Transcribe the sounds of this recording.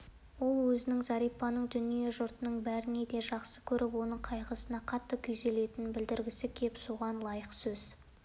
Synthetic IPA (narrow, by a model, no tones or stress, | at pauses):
wo̞lˠwɵzɪnɪŋzɑɾijpːɑnəɴd̪ʏnije̞ʒʊɾt̪ənəɴbæɾɪne̞d̪e̞ʒɑqsəkʲʰɵɾʔɪpwo̞nəɴqʰɑjʁəsənɑqʰɑt̪ːəkʲʰʏjze̞le̞t̪ɪnɪnbɪld̪ɪɾɡʲɪsɪkʲʰe̞psuʁɑnlˠɑjəqsɵz